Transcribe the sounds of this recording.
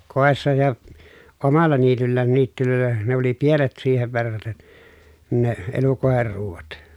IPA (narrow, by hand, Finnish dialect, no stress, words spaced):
koˑesːɑ jɑ omɑlːɑ niːtylːæːn niːtːyløˑelˑæ ne oli pienet siːheʋ ʋerːɑten ne elukoˑeher ruːʋɑt